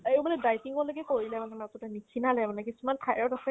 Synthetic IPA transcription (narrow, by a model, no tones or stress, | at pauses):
ewmalɛdajtiŋkɔloɡɛkoɹilɛmanɛmatɔtanikʰinalɛmanɛkisumantʰajɔɹtasɛ